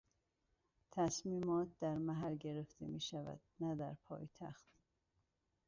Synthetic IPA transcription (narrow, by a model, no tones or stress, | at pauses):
t̪ʰæsmiːmɒːt̪̚d̪æɾmæɦæɾɟe̞ɾeft̪ʰḛmiːʃævæ̰d̪̥næd̪æɾpʰɒ̰ːjt̪ʰæ̰xt̪